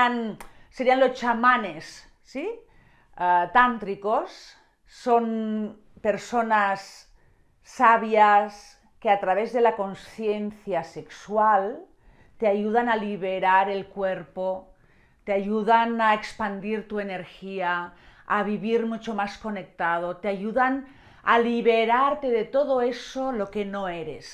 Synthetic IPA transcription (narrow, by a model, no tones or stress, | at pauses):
an | seɾianlost͡ʃamanesː | i | at̪ant̪ɾikosː | on | peɾsonasː | aβjas | keat̪ɾaβ̞ezðelakonsθjenθjasekswal | t̪eajuð̞analiβeɾaɾelkweɾpo | t̪eaʝuðanaekspand̪iɾt̪uene̞ɾxiaː | βiβiɾmut͡ʃomasko̞nek̚t̪að̞ot̪eaʝuðan | a̰liβeɾaɾt̪e̞ðet̪oðoesolo̞kenoeɾes